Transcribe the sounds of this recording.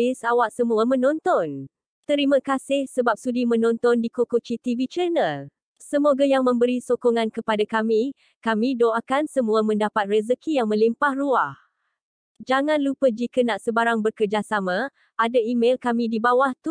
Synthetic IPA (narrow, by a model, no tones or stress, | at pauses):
ɪsawaʔsəmuamə̃nɔnt̪ɔn | t̪əɾimãkasɪhsəbap̚sudimə̃nɔnt̪ɔndikokut͡ʃit̪ivit͡ʃənəl | səmoɡajaŋmə̃mbəɾisokɔŋãnkəpadakami | kamĩdoakansəmũamə̃ndapat̪̚rəzəkijaŋmə̃limpahruah | d͡ʒaŋãnlupəd͡ʒikənaʔsəbaɾaŋbərkərd͡ʒasamã | adaimelkamĩdibawaht̪u